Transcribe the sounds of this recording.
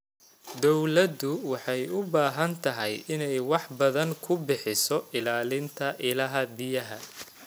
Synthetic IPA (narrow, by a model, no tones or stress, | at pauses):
d̪ɔwlɐd̪ʊwɑħɑjʊbaːɦɐnt̪ʰɐɦɛjɪnɛjwɑħbɐðɐŋkʰʊbɪħɪsɔɪlaːlɪnt̪ʰɐʔɪlɐɦɐbɪjɐɦɐ̰